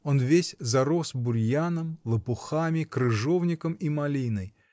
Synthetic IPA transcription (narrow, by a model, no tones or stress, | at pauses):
onvʲesʲzɐɾosbʊɾʲjanəmlˠəpʊxamʲɪkɾɨʐovnʲɪkəmimɐlʲinəj